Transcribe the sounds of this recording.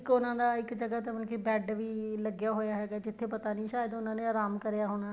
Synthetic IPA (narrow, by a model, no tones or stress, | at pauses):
kʊnãːd̪aːɪkd͡ʒəɡəːt̪emənkʰeːbɛːɖʋiːləɡjaːɦoːjaːɦɛːɡaːd͡ʒɪt̪ʰːeːpət̪aːnĩːʃaːjəd̪ʊnãːnẽːaːɾaːmkəɾjaːɦoːɽ̃aː